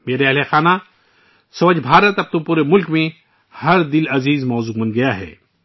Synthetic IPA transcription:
meːɾeɐɦlexaːna | sɐʋəd͡ʒbʱaːɾət̪ɐb̚t̪õpuːɾemʊlkmẽ | hɐɾd̪ɪlɐziːzmɔːzuːmɐnɡɐjaɦɛ̰ː

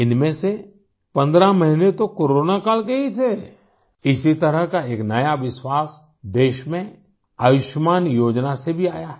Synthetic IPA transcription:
ɪnmẽse | pɐ̃nd̪ɾãmɐɦinet̪okoːɾoːnakaːlkeɦit̪ʰe | ɪsit̪ɐɾəɦkaeːknɐjaʋɪswaːs | d̪eːʃmẽ | ɐʋɪʃmaːnjoːd͡ʒnasebʱiaːjaɦ

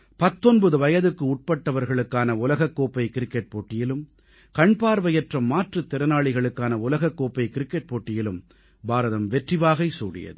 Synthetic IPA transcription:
pɐt̪ːɔnbɐðɯʋɐjɐðɯkːɯʊʈ̚pɐʈːɐʋɐɾɣɐɭɯkːaːnɐʊlɐɣɐkːoːpːɐɪkɪɾɪkːɛʈ̚poːʈːɪjɪlɯm | kɐɳpaːɾʋɐjɐʈrɐmːaːʈrɯt̪ːɛɾɐnaːɭɪɣɐɭɯkːaːnɐʊlɐɣɐkːoːpːɐɪkɪɾɪkːɛʈ̚poːʈːɪjɪlɯm | baːɾɐðɐmʋɛʈrɪʋaːɣɐɪsuːɽɪ̰jɐ̰ðɯ

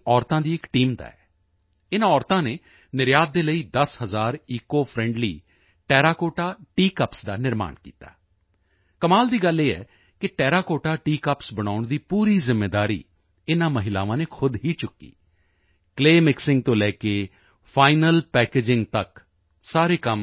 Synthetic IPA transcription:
ɔːɾt̪ãːd̪iːɪkʈiːmd̪a̰ːɛː | ɪnãːɔːɾt̪ãːneː | nɪɾjaːd̪̚ːeːləiːd̪əshəzaːɾiːkoːpʰɾɛ̃ːɳɖlḭː | ʈɛːɾaːkoːʈaːʈiːkəpsd̪aːnɪɾma̰ːnkḭːt̪a̰ː | kəmaːld̪iːɡəleːɛ̰ː | kɪʈɛːɾaːkoːʈaːʈiːkəpsbəɽ̃aːʊɳd̪iːpuːɾiːzɪmːeːd̪aːɾḭː | ɪnãːməɦɪla̰ːʋãːneːkʰʊd̪ɦiːt͡ʃʊkːḭː | kleːmɪksɪ̃ŋɡt̪õːlɛːkeː | pʰaːɪnəlpɛːkeːd͡ʒɪŋɡt̪ək | saːɾeːkəm

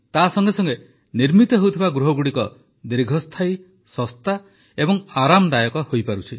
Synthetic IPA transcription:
t̪asɔŋɡesɔŋɡe | niɾmit̪ɔɦewt̪ʰibaɡɾuɦɔɡuɽikɔ | d̪iɾɡʱɔst̪ʰaj | sɔst̪ʰa | ebɔŋaɾamd̪ajɔkɔhojpaɾut͡ʃʰi

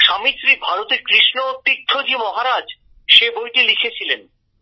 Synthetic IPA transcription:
ʃamit̪ːɾibʱaɾot̪eɾkɾiʃnot̪ːit̪ʰːod͡ʑimɔɦaɾad͡ʑ | ʃebojʈilikʰet͡ɕʰilen

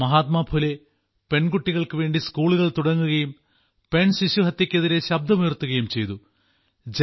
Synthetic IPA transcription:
mɐɦaːt̪maːbʰʱule | pe̞nɡuʈːiɣɐɭkɨʋe̞ːɳɖiskuːɭuɣɐɭt̪uɽɐŋːuɣɐjum | pe̞nsiɕuɦɐt̪ːikʲːɐðiɾe̞ɕɐb̚d̪ʱɐmujɐrt̪ːuɣɐjumt͡ɕe̞jt̪u | d͡ʑ

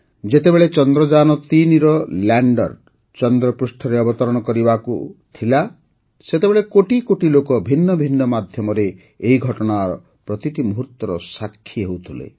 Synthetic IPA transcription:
d͡ʒet̪ebeɭet͡ʃɔnd̪ɾɔd͡ʒanɔt̪iniɾɔlaɳɖɔ̰ɾ | t͡ʃɔnd̪ɾɔpɾusʈʰɔɾeɔbɔt̪ɔɾɔɽ̃ɔkɔɾibakut̪ʰila | set̪ebeɭekoʈikoʈilokɔbʱinːɔbʱinːɔmad̪ʱjɔmɔɾeː | ɦiɡʱɔʈɔɽ̃aɾɔ | pɾɔt̪iʈimɔɦut̪wɔɾɔsakʰːiɦewt̪ʰulḛ

